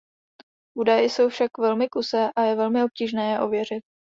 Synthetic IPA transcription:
ʔudajɪso̞wfʃakvɛlmɪkusɛːʔajɛvɛlmɪo̞p̚ciːʒnɛːjɛʔo̞vjɛrɪt̪̚

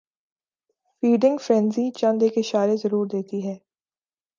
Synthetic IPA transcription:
fiːɖɪ̃ŋɡfɾɛ̃nzit͡ʃɐ̃nd̪eːkɪʃaːɾezɐɾuːɾd̪eːt̪iɦɛː

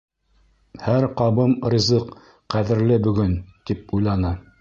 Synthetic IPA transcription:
hæɾqɑβɤmrʲizɤq | qæðɘ̆ɾlɘbɵ̆ɡɵnt̪ip̚ujlˠɑnɤ

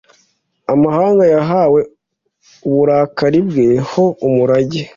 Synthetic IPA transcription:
amahaːŋɡajaɦawe̞ | uβuɾaːkaɾibɡeːhoumuɾaɟe

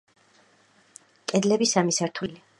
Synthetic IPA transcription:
kʼɛd̪lɛbisamisaɾt̪ʰuli

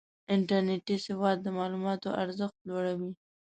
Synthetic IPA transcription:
ɪɳʈaɾneʈisɪwɑd̪̚ːəmɑlumɑt̪o̰ʔaɾzəxt̪lwoɽawi

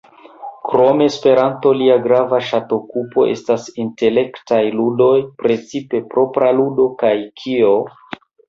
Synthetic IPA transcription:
kɾo̞me̞spe̞ɾanto̞liaɡɾavaʃato̞kupo̞̰ʔe̞̰stasinte̞le̞ktajludo̞jpɾe̞t͡sipe̞pɾʔo̞pɾaludo̞kajkʰio̞

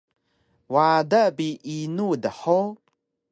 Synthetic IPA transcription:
wadabiʔinudəħo

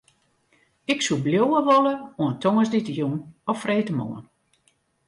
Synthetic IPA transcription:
ɪksubljowəʋoləuəntʰoŋəsditəjunɔfreːtəmo̰ən

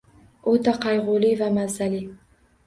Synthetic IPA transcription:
ot̪aqʰɑjʁʊlivamazali

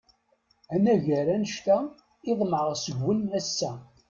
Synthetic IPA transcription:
ænæʝəɾænəʃt̪æ | ɪðˤməʁsəɡːənæsːæ

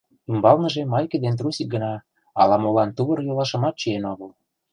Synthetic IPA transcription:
imbɑlnə̆ʒemɑjkĕd̪ent̪rusik̚ɡə̆nɑ | ɑlɑmolɑnt̪uβɤ̆rjolɑʃə̆mɑt̪̚t͡ɕyenoɣəl

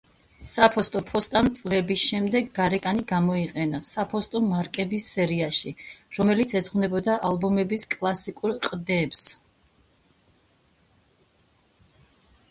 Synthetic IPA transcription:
sapʰɔst̪ʼɔpʰɔst̪ʼant̪sʼlɛbisʃɛmd̪ɛɡːaɾɛkʼaniɡamɔiqʼɛnasapʰɔst̪ʼɔmaɾkʼɛbisːɛɾiaʃiɾɔmɛlit̪sʰɛd̪zʁwnɛbɔd̪aʔalˠbɔmɛbiskʼlˠasikʼuɾqʼd̪ɛps

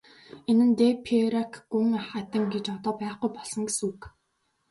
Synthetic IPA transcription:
enɘ̆nt̪epʰeɾakʰɡuŋχat̪ə̆ŋɡet͡ɕɔt̪ɔːpæːχɡujpɔɮsɞ̆ŋɡesuːk

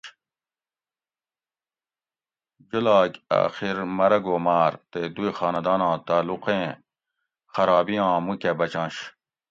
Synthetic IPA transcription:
d͡ʑulaːkʲa̰ːxiɾmɐɾɐɡoːmaːɾt̪ed̪uixaːnɐd̪aːnãːt̪aːluqẽː | xɐɾaːbijãːmũkebɐt͡ɕãːɕ

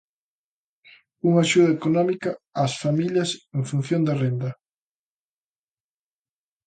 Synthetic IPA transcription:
uŋaʃuð̞ɐekonɔmikɐasfamiʎɐseŋfun̟θjond̪ɐrend̪ɐ

